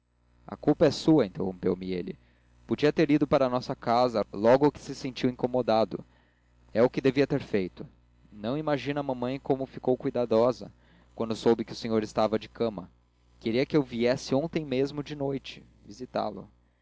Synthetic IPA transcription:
ɐ̰kuwpɐɛsuɐĩnt̪ehõ̰pewmɪelɪ̰ | pod͡ʒiɐt̪eɾid̪ʊpaɾɐnɔsɐkazɐlɔɡʊkɪ̥sɪsẽnt͡ʃiwĩŋkomod̪ad̪ʊ̰ | ɛʊkɪd̪eviɐt̪eɾfejt̪ʊ | nɐ̃w̃imaʒĩnɐmɐ̃mɐ̃j̃kõmʊfikowkujd̪ad̪ɔzɐ̰ | kwɐ̃nd̪ʊsowbɪkɪʊsẽɲoɾɪst̪avɐd͡ʒɪkɐ̃mɐ | keɾiɐkɪewviɛsɪõt̪ẽj̃mezmʊd͡ʒɪnojt͡ʃɪ̥ | vizit̪a̰lʊ̰

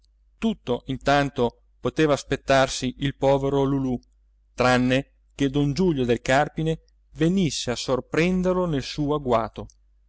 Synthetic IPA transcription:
t̪ut̪ːoʔint̪ant̪o | pot̪eːvaːspet̪ːarsiʔilpɔːveɾolulu | t̪ɾanːe | ked̪ond͡ʒuʎːod̪elkarpine | venisːeasorpɾɛnd̪erlonelsuːoaɡwaːt̪o

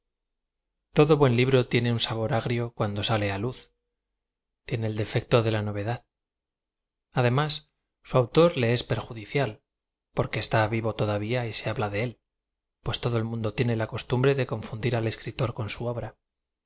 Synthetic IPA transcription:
t̪o̞ðo̞βwe̞nliβ̞ɾo̞t̪je̞ne̞unsaβo̞ɾaɣɾjo̞kwand̪o̞sale̞aluθ | t̪je̞ne̞ːld̪e̞fe̞k̚t̪o̞ðe̞lano̞β̞e̞ðað | aðe̞mas | suawt̪o̞ɾle̞e̞spe̞ɾxuðiθjal | po̞ɾke̞ːst̪aβiβ̞o̞t̪o̞ðaβiaise̞aβlaðe̞e̞l | pwe̞st̪o̞ðoelmũnd̪o̞t̪je̞ne̞lako̞st̪umbɾe̞ðe̞ko̞ɱfund̪iɾale̞skɾit̪o̞ɾko̞nsuoβɾa

